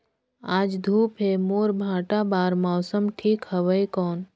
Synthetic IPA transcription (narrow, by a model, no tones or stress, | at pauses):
aːd͡ʒd̪ʱuːpɦemoːɾbʱãːʈabaːɾmɔːsəmʈʰiːkhəʋəjkɔːn